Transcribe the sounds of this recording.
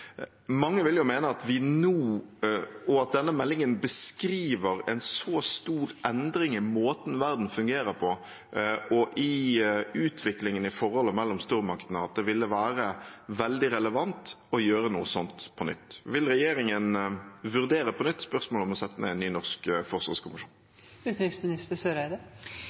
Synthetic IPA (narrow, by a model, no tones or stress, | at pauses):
mɑŋːəʋɪljʊmeːnəɑt̪ʋɪnuː | ɔɑt̪̚d̪ɛnːəmɛlːɪŋənbəskɾiːʋəɾɛ̰nsɔst̪uːɾʔɛnd̪ɾɪŋɪmoːt̪n̩ʋæɾd̪n̩fʉŋɡeːɾəɾpʰɔ | ɔʔɪʉːt̪ʰʋɪklɪŋənɪfɔɾhɔlːəmɛlːɔmst̪uːɾmɑkt̪ənəɑt̪̚d̪ɛʋɪlːəʋæːɾəʋɛld̪ɪɾɛləʋɑnt̪ɔjøːɾənuːəsɔnt̪pʰɔnʏ̰t̪ːʋɪlɾɛjeːɾɪŋənʋʉɾd̪eːɾəpʰɔnʏt̪ːspœʁsmoːlɔmɔsɛt̪ːənə̰ɪnːyːnɔʁskfɔʁsʋɑ̰ːʁskʰʊmɪʂṵːn | ʉːt̪ɾɪksmɪnɪst̪əsøɾæd̪ə